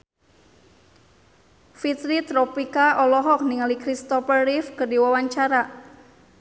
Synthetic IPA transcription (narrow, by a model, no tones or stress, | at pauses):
fit̪ɾit̪ɾɔpikaʔɔlɔɦɔk̚niŋalikɾist̪ɔfərɾifkərdiwawaɲt͡ʃaɾa